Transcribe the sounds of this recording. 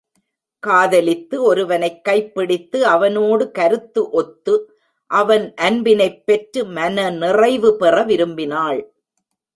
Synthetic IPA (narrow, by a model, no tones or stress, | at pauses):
kaːðɐlɪt̪ːɯɔɾɯʋɐnɐɪkːɐɪpːɪɽɪt̪ːɯɐʋɐnoːɽɯkɐɾɯt̪ːɯʔɔt̪ːɯ | ʔɐʋɐnʔɐnbɪnɐɪpːɛʈɾɯmɐnɐnɪrɐɪʋɯpɛrɐʋɪɾɯmbɪnaːɭ